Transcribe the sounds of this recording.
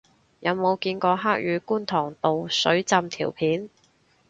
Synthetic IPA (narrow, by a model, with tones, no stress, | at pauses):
jɐ˨˧wmo˨˧wkiː˧nkɔː˧ɦaː˥k̚jyː˨˧kuː˥nt̪ʰɔː˨˩ŋt̪o˨wsɵ˨˥ɥt͡sɐ˧mt̪ʰḭː˨˩wpʰiː˨˥n